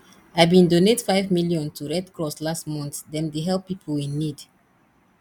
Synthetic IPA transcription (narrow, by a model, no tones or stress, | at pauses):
aɪbĩndonetfaɪvmiljɔ̃ntʰuɹɛdkɹɔslastmɔ̃nθdɛ̃mdeɦɛlˠpːipʰolĩnːid